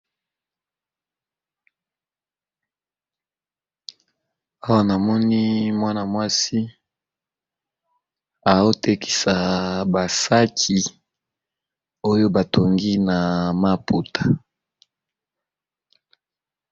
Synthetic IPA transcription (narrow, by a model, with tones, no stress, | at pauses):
a˦wa˦na˨mɔ˦ni˦mwa˦na˨mwa˦si˦ | a˨o˦te˦ki̥˨sa˨ba˨sa˦kʰi˨ | o˦jo˦ba˨tʰo˨ŋɡi˦na˨ma˦pu˨tʰḁ˨